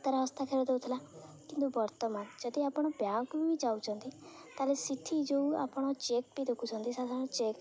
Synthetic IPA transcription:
t̪ɔɾaɦɔst̪ʰakʰeɾed̪eut̪ʰilakint̪ubɔɾt̪ɔmand͡ʒɔd̪iapɽ̃ɔbjãkbid͡ʒaut͡ʃʰɔnt̪it̪aɾesiʈ̪ʰid͡ʒeua̰pɽ̃ɔt͡ʃekbid̪ekʰut͡ʃʰɔnt̪isad̪ʱañɔ̃t͡ʃek

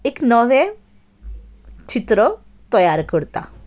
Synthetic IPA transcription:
eknəʋẽ | t͡ɕit̪ɾə | t̪ɔjaɾkəɽt̪a̰

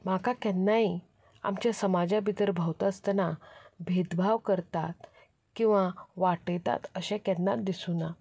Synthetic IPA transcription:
makakjɛnːaɦi | a̰mt͡ɕasəmad͡ʑabʱit̪əɾbʱəwt̪əst̪ənabʱed̪bʱaʋkəɾt̪at̪ | kĩw̃ʋaʋaʈəjt̪a̰t̪əɕakɛnːat̪̚d̪isuna

